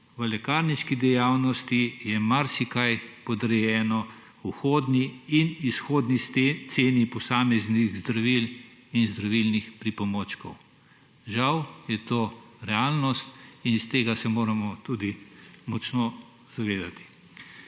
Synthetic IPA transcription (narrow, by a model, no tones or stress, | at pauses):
ʋəlɛkaːɾniʃkid̪ɛjaːwnɔst̪ijɛmaɾsikajpɔd̪ɾɛjɛːnɔ | uxoːd̪niːnisxoːd̪nit̪seːnipɔsaːmɛzniɣzd̪ɾaʋilinzd̪ɾaʋilnixpɾipɔmoːt͡ʃkɔw | ʒawjɛt̪oːɾɛaːlnɔst̪inst̪eːɡasɛmoːɾamɔt̪uːd̪imɔt͡ʃnɔ | z̥aʋeːd̪at̪i̥